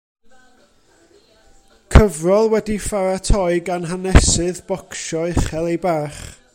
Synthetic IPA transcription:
kʰəvrɔlˠwɛdifaɾatʰɔɨɡanɦanɛsɨðbɔkʃɔɪχɛlˠejbaːχ

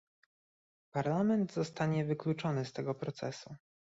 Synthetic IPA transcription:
paɾlamɛnd̪zɔst̪aɲɛvɘklut͡ʂɔnɘst̪ɛɡɔpɾɔt̪sɛsu

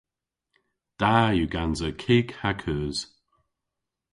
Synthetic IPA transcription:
d̪̥ajuɡanzəkʰiːkhakʰœːz̥

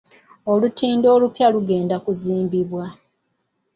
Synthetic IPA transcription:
o̞lutiːndo̞ːlupjaluɡe̞ːndakuziːmbiβwa

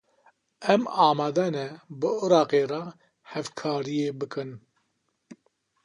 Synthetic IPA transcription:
ɛmɑːmɑːd̪ɛnɛbɨɨɾɑːqeːrɑ | hɛvkʰɑːɾijeːbɨkɨn

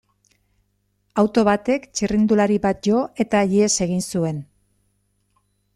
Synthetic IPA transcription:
awt̪o̞βat̪e̞kt͡ʃirind̪ulaɾiβat̪̚ʝo̞e̞t̪aʎiese̞ɣ̞insue̞n

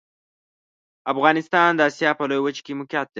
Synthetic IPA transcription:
afɣɑnɪst̪ɑnd̪əasjɑpəlojwət͡ʃkemʊkjɑt̪̚d̪e

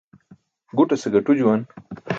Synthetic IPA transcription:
ɡuʈaseɡɐʈud͡ʑuwan

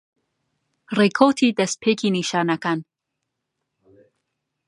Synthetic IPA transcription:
rekʰot̪ʰiːd̪ɐst̪̚pʰeːkʰiniʃɑːnɐkan

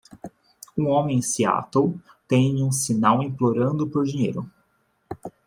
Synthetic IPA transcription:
ũõmẽj̃sia̰t̪ow | t̪ẽj̃ũsinawĩploɾɐ̃nd̪ʊpoɾd͡ʒiɲejɾʊ

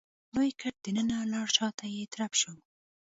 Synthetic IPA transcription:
lojkʰaʈ̚d̪̥ənənalɑɽʃɑt̪ajet̪ɾapʃow

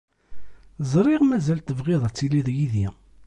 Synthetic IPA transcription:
zˤɾˤiʁmæzælt̪ːəvʁɪðˤæt͡sːiliðjiði

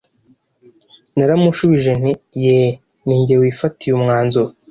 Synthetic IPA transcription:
naɾamuʃuβiʒen̥ije | niːɲɟewiːfatijumŋaːnzo

